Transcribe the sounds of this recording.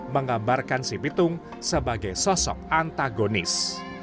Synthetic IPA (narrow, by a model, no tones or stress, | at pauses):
məŋambarkansipit̪ʊŋ | səbaɡajsɔsɔ̰p̚ant̪aɡonɪs